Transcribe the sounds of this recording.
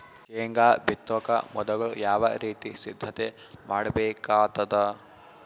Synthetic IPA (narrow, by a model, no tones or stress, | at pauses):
t͡ʃeːŋɡaːbʱit̪ːɔkɐ̰mɔd̪ɐɡɐɭujaːʋɐ̰ɾiːt̪isid̪ʱːɐt̪e | maːɽɐbeːkaːt̪ɐd̪ɐ